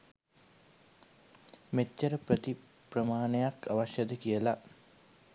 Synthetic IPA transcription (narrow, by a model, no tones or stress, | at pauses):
metːəɾəprət̪i | prəmaːnəjakaʋaʃjəd̪əkijəla